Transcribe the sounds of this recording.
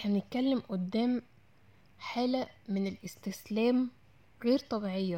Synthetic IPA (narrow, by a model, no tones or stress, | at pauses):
ħænet̪̚kælːemʔod̪ːæːm | ħaːlæmenelʔɪst̪ɪslæːm | ɣeːɾt̪ˤɑbiʕejːæ